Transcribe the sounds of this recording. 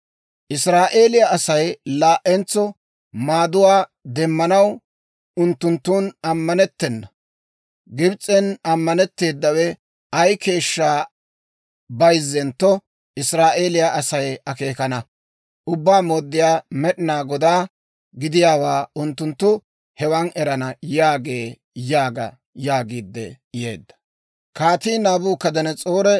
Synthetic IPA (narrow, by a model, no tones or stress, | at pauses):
ʔɪsɾaːʔeːlɪjɐɐsɐjlaːʔɛnt͡sːɔ | maːd̪ʊwaːd̪ɛmːɐnɐw | ʊnt̪ːʊnt̪ːuːnɐmːɐnɛt̪ːɛnːɐ | ɡɪbt͡sʼɛnɐmːɐnɛt̪ːe̞ːd̪ːɐwɛ | ɐjke̞ːʃːaː | bɐjzːɛnt̪ːɔ | ɪsɾaːʔe̞ːlɪjaʔɐsɐjɐkeːkɐnɐ | ʔʊbːaːmoːd̪ːɪjaːmɛɗɪnaːɡɔd̪aː | ɡɪd̪ɪjaːwaːʊnt̪ːʊnt̪ːʊ | hɛwɐnɛɾɐnɐjaːɡe̞ː | jaːɡɐ̰ | jaːɡiːd̪ːɛ̰ | jḛːd̪ːɐ̥ | kaːt̪iːnaːbuːkɐd̪ɐnɛt͡sʼo̞ːɾɛ